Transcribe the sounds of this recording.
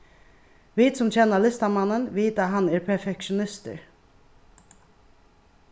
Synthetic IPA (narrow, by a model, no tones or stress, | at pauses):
ʋiːt̪sʊmt͡ɕʰɛnːalɪst̪amanːənʋiːt̪aɦanɛɹpʰɛfɛkʃʊnɪst̪ə̰ɹ